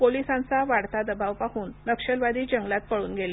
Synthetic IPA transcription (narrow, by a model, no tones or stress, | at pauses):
polisãnt͡saʋaɽt̪ad̪əbaʋpaɦuːnːəkʂəlʋad̪iːd͡ʑəŋɡlat̪̚pəɽuːnɡele